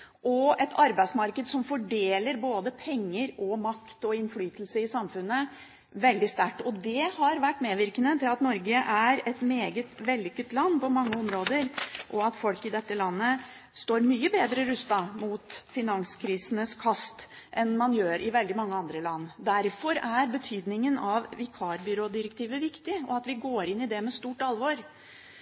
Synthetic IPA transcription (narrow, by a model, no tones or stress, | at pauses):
ʔɔɛt̪ʰɑɾbæɪsmɑɾkəd̪sɔmfɔɖeːləɾboːd̪əpʰɛŋːəɾɔmɑkt̪ɔɪnflyːt̪əlsəɪsɑmfʉnːə | ʋɛld̪ɪst̪æʈːɔd̪ɛhɑɾʋæʈːmeːʋɪɾkənət̪ʰɪlɑt̪nɔɾɡəʔæɾɛt̪meːɡət̪ʋɛlːʏkːət̪lɑnːpɔmɑŋːəɔmɾoːd̪əɾʔɔɑt̪fɔlkɪd̪ɛt̪ːəlɑnːə | st̪oːɾmyːəbeːd̪ɾəɾʉst̪ɑmuːt̪fɪnɑnskʰɾiːsənəskʰɑst̪ʔɛnmɑnjøːɾʔɪʋɛld̪ɪmɑŋːəɑnd̪ɾəlɑnːd̪æɾfɔɾæɾbət̪ʰyːd̪nɪŋənɑʋɪkʰɑːɾbʏɾoːd̪ɪɾək̚t̪ʰiːʋəʋɪkt̪ɪɔ̰ɑt̪ʋɪɡoːɾɪnːɪd̪ɛmɛst̪uːʈɑlʋoɾ